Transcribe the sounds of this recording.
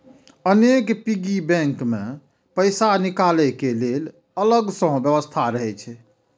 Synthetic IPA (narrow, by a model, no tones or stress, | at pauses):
ənekpiɡibɛ̃ŋkmẽ | pəɪsanikalɛkelel | ələɡsəɦõbjəbəst̪ʰaɾəɦɛt͡ʃʰɛ